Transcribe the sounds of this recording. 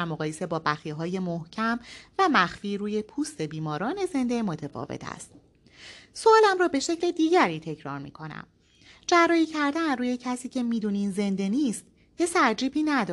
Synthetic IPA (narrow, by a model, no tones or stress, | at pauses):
æɾmoɣɒːje̞se̞bɒːbæxiːɦɒːje̞mohcʰæmvæmæxfiːɾuːje̞pʰuːst̪e̞biːmɒːɾɒːne̞ze̞nd̪e̞mo̞t̪ʰefɒ̰ːvḛt̪ʰæ̰st̪̚ | soɒːlæmɾɒːbe̞ʃe̞cle̞d̪iːɟæɾiːt̪ʰe̞cʰɾɒːɾmḭkʰo̞næ̰m | d͡ʒærːɒːiːcʰæɾd̪ænruːje̞cʰæsiːcʰe̞miːd̪uːniːnze̞nd̪e̞niːst̪ | jesæɾd͡ʒiːbiːnæd̪ɒ